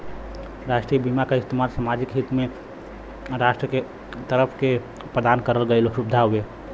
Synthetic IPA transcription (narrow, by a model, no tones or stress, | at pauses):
ɾaʃʈɾijəbimakaɪst̪əmaɾsamad͡ʒikɦit̪me | ɾasʈɾəke | t̪əɾəpʰke | pɾəd̪ankəɾəlɡəloʃubd̪ʱaɦue